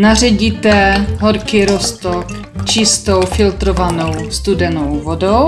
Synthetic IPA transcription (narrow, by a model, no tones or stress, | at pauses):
narɛɟiːt̪ɛɦoɾkiːɾost̪ok | t͡ʃɪst̪owfɪlt̪ɾovano̞wst̪udɛnowvodow